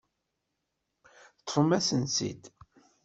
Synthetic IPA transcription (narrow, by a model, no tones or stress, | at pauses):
t̪ːˤfəmæsənsḭd̪